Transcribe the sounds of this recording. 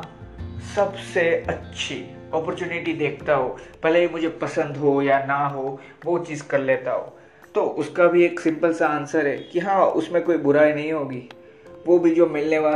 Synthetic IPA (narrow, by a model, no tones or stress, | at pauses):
sɐbseɐtːʃʰi | ɔːpəɾt͡ʃuːnɪʈid̪eːkʰt̪aɦoːpɛleimʊd͡ʒʱepɐsə̃nd̪ɦojanaɦo | ʋot͡ʃiːzkɐɾleːt̪aɦo̰ː | t̪oːʔʊskabʱieːksɪ̃mpəlsaaːnsəɾɦɛːkiɦãːʊ̰smẽkoːibʊɾaːinɐɦĩɦoːɡiː | ʋoːbʱid͡ʒoːmɪlneʋaː